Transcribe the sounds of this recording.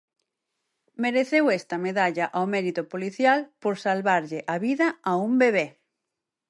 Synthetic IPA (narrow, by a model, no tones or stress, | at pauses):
meɾeθewɛst̪ɐmeðaʎɐʔawmɛɾit̪ʊpoliθjalpoɾsalβaɾʎɪʔaβiðɐaumbeβ̞e